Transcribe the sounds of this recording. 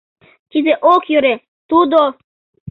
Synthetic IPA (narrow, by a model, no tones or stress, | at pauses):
k̪ʲizeʔokjøɾe | t̪ud̪o